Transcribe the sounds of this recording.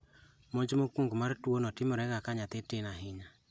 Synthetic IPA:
moɲd͡ʒimokuŋɡomaɾtwonɔtimoɾɛɣakaɲat̪etenaɦiɲa

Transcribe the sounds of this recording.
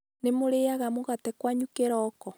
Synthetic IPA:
nemoɾeaɣamoɣatɛkwaɲukeɾɔkɔ

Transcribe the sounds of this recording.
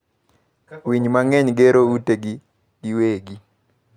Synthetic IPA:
wiɲmaŋɛɲɡeɾouteɡi | ɡiweɡi

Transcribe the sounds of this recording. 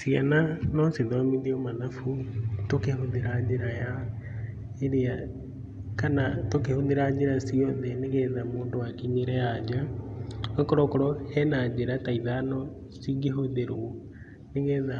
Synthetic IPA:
siananɔsiðomiðiomanafutokeɦoðiɾad͡ʒiɾaja | eɾia | kanatokehoðiɾad͡ʒiɾasiɔðɛniɡɛðamuːndoakiɲiɾɛad͡ʒa | okɔɾɔkɔɾɔɛnad͡ʒeɾataiðanɔ | siɡiɦoðeɾuo | niŋɡɛða

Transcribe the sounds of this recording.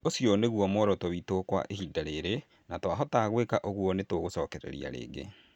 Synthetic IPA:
osjoneɣwɔmɔɾɔtoβitokwa̰ʔehidaɾeːɾe | natwaɦɔtaɣwekaʔoɣuɔnetoɣosɔːkɛɾɛ̰ɾḭa̰ɾḛːɡḛ

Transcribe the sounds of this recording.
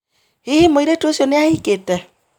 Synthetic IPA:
hehemoiɾetosjɔneahiketɛ

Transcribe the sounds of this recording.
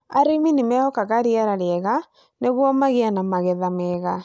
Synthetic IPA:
a̰ɾiminimɛhɔkaɣaɾiaɾaɾiɛɣa | neɣwɔmaɣianamaɣɛðamɛːɣa

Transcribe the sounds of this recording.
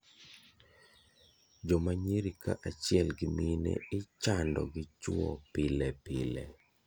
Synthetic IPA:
d͡ʒɔmaɲeɾikaʔat͡ʃɪɛlɡɪminḛɪt͡ʃandɔ̰ɡɪt͡ʃuɔ̰pɪlɛpɪlɛ

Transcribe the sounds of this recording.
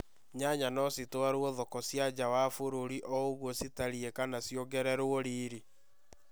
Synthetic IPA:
ɲaɲanɔsitwaɾoɔðɔkɔsjad͡ʑawafoɾoɾiʔɔoɣwɔsitaɾiekanasjoɡɛɾɛɾoɔɾiːɾi

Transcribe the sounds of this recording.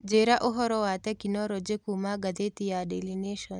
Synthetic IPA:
d͡ʒeːɾaʔoɦɔɾɔwaːt̪ɛkinɔɾod͡ʒekumaɡɐd̪et̪ijaɖelineʃɔn

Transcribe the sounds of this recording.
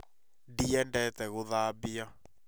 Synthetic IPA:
diɛndɛtɛɣoðabia

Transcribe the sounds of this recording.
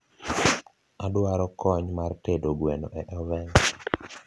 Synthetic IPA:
adaɾɔkʰɔɲmartedoɡweno̰ʔɛʔɔvɛn

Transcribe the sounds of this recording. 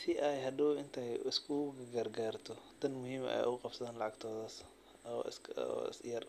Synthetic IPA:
siʔajɦɐd̪ɔɪnt̪ʰɛjɪskʰʊɡɐɡɐrɡaːrt̪ʰɔt̪ʰɐnmʊɦiːmɛ̰jʔʊʊqɑbsɐðaːnlɑʕɑɡt̪ʰɔːðaːs | ɔ̰skɔ̰sjɐr

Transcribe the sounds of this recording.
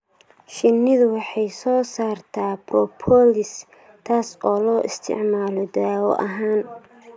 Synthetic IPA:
ʃɪnːɪðwɑħɑjsɔːsaːrt̪ʰaːbrɔpʰɔlɪs | t̪ʰaːsɔːlɔːʔɪst̪ʰɪ̰ʕmaːlɔd̪aːɔ̰ʔɐɦaːn

